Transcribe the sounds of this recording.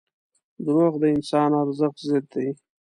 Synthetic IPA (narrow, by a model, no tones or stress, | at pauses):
d̪ɾoɣd̪əɪnsɑːnaɾzəχzɪd̪̚d̪aj